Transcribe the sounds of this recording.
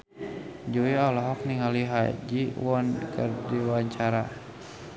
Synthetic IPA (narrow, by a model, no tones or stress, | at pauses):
d͡ʒuiɔlɔɦɔk̚niŋaliɦad͡ʒiwɔnkɨ̰rdiwaɲt͡ʃaɾa